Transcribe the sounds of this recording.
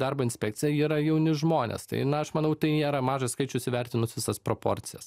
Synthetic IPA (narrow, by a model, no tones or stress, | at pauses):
d̪ɑɾboːɪnʲsʲpʲɛk̚t͡s̪ʲɪjɛiːɾɐjɛʊnʲɪʒmoːnʲḛst̪ɐ̰ɪnɐɐʃmɐnɐʊt̪ɐɪnʲeːɾɐmɑːʒɐskɐɪt͡ʃʲʊsʲɪʋʲɛɾʲt̪ʲɪnʊsʋʲɪsɐspɾoːpo̰ːɾʲt̪t͡ssʲɪjɛ̰s